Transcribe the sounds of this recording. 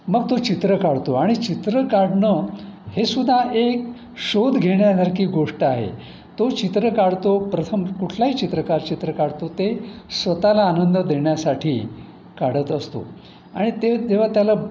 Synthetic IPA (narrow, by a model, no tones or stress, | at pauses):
məɡt̪ot͡ɕit̪ɾəkaɽt̪oaɽ̃it͡ɕit̪ɾəkaɽnəhesud̪ʱaʔek | ɕod̪ʱɡʱeɳjasaɾkiːɡoʂʈəaɦḛ | t̪ot͡ɕit̪ɾəkaɽt̪opɾət̪ʰəmkuʈʰlaɦiːt͡ɕit̪ɾəkaɾt͡ɕit̪ɾəkaɽt̪ot̪esʋət̪alaːnənd̪əd̪ʱeɳjasaʈʰiː | kaɽ̤ət̪əst̪o̰ | a̰ɽ̃it̪ed͡ʑeʋ̤at̪jala